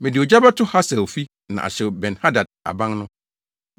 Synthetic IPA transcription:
mɪ̃˨dɪ˨ɔ˨d͡ʑa˦ba˦tʰʊ˦ha˦sɛ˨fi˦ | nã̰˨ʔa̰˨ɕɛ˨bɛ̃˨nha˦da˨d̚a̰˨bã˦ŋnʊ̃˦

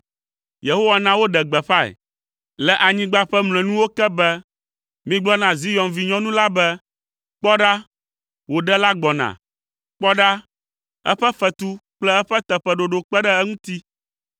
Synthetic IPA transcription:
je˨ɦo˦wa˦nã˦wo˦ɖɛ˨ɡ͡bɛ˨ɸa˦ɛ̰˨ | lɛ˨ʔa˨ɲĩ˦ɡ͡ba˦ɸɛ˦mlɛ̃˨nũ˦wo˦kɛ˦bɛ˦ | mĩ˦ɡ͡blɔ˦nã˨zi˦jɔ̃˨mvi˨ɲɔ̃˦nũ˦la˦bɛ˦ | k͡pɔ˦ɖa˦ | wo˨ɖɛ˦la˦ɡ͡bɔ˨nã̰˨ | k͡pɔ˦ɖa˦ | ɛ̰˦ɸɛ˦ɸɛ˨t̪u˦k͡plɛ˦ɛ˦ɸɛ˦t̪ɛ˨ɸɛ˨ɖo˨ɖo˨k͡pɛ˦ɖɛ˦ɛ˦ŋũ˦t̪i˦

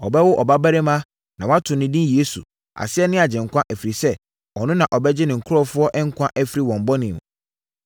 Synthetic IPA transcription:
ɔ˨bɛ˦wʊ˦ʔɔ̰˨ba˦bæ˦ɾe˦mã˦ | nã˨wã˦tʰʊ̃˨nɪ̃˨dĩ˦je˦sṵ˨ | a̰˨sɪ˦ɛ˦nɪ̃˦a˨d͡ʑɪ̃˨ŋ̩˨kʷã˦ʔæ˨fɾi˨sɛ˦ | ɔ˨nʊ̃˦nã˨ʔɔ˨bɛ˦d͡ʑɪ˦nɪ̃˨ŋ̩˨kʰʊ˦ɾɔ˦fʊ˦ɔ˦ʔɛ̃˦ŋ̩˦kʷʰã˦ʔæ˦fi˦ɾi˦˨wɔ̃˨m̩˨bɔ˦nɪ̃˨m˨

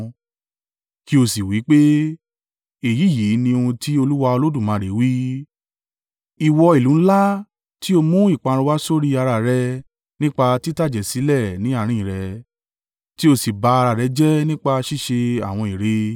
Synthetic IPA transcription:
ki˦o˧si˨wi˨˦k͡pe˦ | e˨ji˨˦˨ji˨˦nĩ˧o˧ũ˧ti˦o˧lu˦wa˧o˧lo˦dũ˦˨mã˨˧ɾe˨˦wi˦ | i˨wɔ˧i˨lũ˨˦la˦ | ti˦o˧mũ˦i˦˨k͡pã˨˧ɾ̃ũ˧wa˦so˦ɾi˦a˧ɾa˧˨ɾɛ˧ | nĩ˦k͡pa˧ti˦ta˦˨d͡ʒɛ˨si˨˦lɛ˦˨nĩ˨˦a˦˨ɾ̃ĩ˦ĩ˨ɾɛ˨˧˦ | ti˦o˧si˨ba˧˦a˧ɾa˨ɾɛ˨˦d͡ʒɛ˦nĩ˦k͡pa˧ʃi˦˨ʃe˧a̰˨w̃ɔ̃˧˨i˨ɾe˧

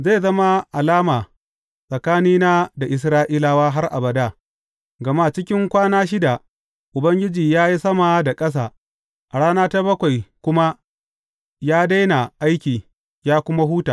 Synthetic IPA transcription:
ze˦˨zɐ˦ma˦ʔa˨laː˦maː˨ | sʼɐ˨kaː˦niː˦naː˦da˨ʔɪ˨s̬ɾaː˦ʔiː˦la˨waː˦ɦa˦rʔa̰˨bɐ˨da˦˨ | ɡɐ˨ma˦˨t͡ʃɪ˦kʲɪ˦ŋkʷaː˦naː˦ʃ̬ɪ˦da˨ | ʔʊ˨bɐ˦ŋɡʲɪ˦d͡ʒiː˨jaː˦ji˦sɐ˦ma˨da˨kʼɐ˦s̬aː˦˨ | ʔa˨ɽaː˦naː˦ta˦bɐ˦kʷa˨jkʷʊ˦ma˦ | jaː˦da˦jna˨ʔa˦jkʲiː˨ | jaː˦kʷʊ˦ma˦ɦuː˦taː˨

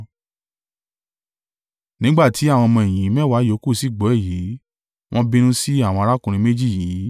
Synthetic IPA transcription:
nĩ˨˦ɡ͡ba˦˨tʰi˨˦a˦˨w̃ɔ̃˧mɔ̃˧e˨j̃ĩ˨˦mɛ̃˦˨wa˨˦jo˨˦ku˦˨si˦˨ɡ͡bɔ˨˦ɛ˦˨ji˨˦ | w̃ʔɔ̃˦bĩ˧ñũ˦si˦a˦˨wɔ̃˧a˧ɾa˦kũ˧ɾ̃ĩ˧me˦d͡ʒi˦˨ji˨˦

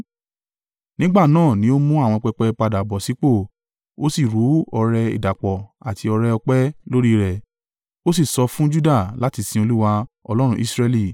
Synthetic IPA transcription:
nĩ˦ɡ͡ba˦˨nãː˦˨nĩ˨˦o˦mũ˦a˦˨w̃ɔ̃˧k͡pɛ˧k͡pɛ˧k͡pa˧da˨bɔ˨si˨˦k͡po˦˨ | o˦si˦˨ɾu˨˦ɔ˧ɾɛ˧ḭ˨da˨k͡pɔ˨a˨ti˧ɔ˧ɾɛ˧ɔ˧k͡pɛ˦lo˦ɾi˦˨ɾɛ˨ | o˦si˦˨sɔ˧fũ˦d͡ʒu˦da˦˨la˦ti˧sĩ˧˦o˧lu˦wa˧ɔ̰˧lɔ˦ɾũ˧ʔi˦sɾɛ˧li˦˨

